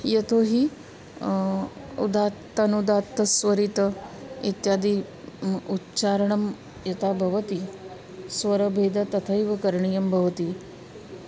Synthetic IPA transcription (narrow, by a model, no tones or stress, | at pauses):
jɐt̪ʰoɦiː | ṵd̪at̪ːɐnud̪at̪ːɐsʋɐɾit̪ɐit̪jaːd̪iː | utːt͡ʃaːɾɐɳɐm | jɐt̪abʱɐʋɐt̪i | sʋɐɾɐbʱed̪ɐt̪ɐt̪ʰəjʋɐkɐɾɳijɐmbʱɐʋɐt̪i